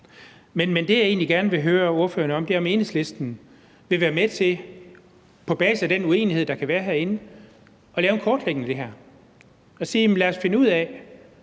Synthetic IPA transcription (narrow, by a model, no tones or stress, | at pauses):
menmend̥e̝jɑe̝ːnliɡ̥æɐnəʋe̝ɦøːɐo̝ɐfø̰ːɐnəɒ̽md̥e̝ɒ̽me̝ːn̩ˠsle̝sd̥n̩ | ʋe̝ʋæːɐmet͡sʰe̝ | pʰɒ̽b̥ɛ̰ːs̩æd̥enue̝̰ːnihe̝ð̞̰ˠd̥ɑ̈kʰæʋæːɐɦæɐ̰e̝nə | ɒ̽lɛːʊnkʰɒːd̥leɡ̥nəd̥e̝ɦæɐ̰ | ɒ̽siːlæːɐsfe̝nəuð̰ˠɛ